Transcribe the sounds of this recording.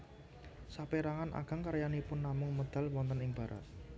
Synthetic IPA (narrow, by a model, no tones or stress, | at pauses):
sapeɾaŋanʔa̰ɡ̥a̤ŋkaɾjanipʊnːamʊŋməd̪̥a̤lwɔnt̪ənɪŋb̥ä̤ɾʔa̰t̪̚